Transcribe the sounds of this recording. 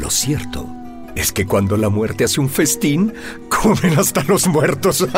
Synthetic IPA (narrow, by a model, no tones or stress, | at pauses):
lo̰sjeɾt̪o̰ | e̞ske̞kwand̪o̞lamwe̞ɾt̪e̞aseuɱfe̞st̪in | kʰomɾenast̪alo̞zmwe̞ɾt̪o̞s